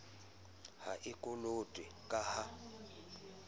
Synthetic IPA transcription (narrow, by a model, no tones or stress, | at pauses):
ha̰ʔɪkʼʊlotʼɪkʼaha